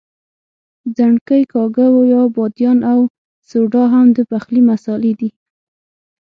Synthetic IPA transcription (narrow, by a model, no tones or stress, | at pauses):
d͡zaɳkəjkɑɡawojɑbɑd̪jɑnaw | soɖɑɦamd̪əpaxlimasɑled̪i